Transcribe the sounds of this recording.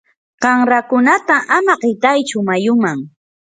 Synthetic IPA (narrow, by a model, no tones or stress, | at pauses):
qɑŋɾakʊnat̪aʔamaqɪt̪ajt͡ʃʊmajʊmaŋ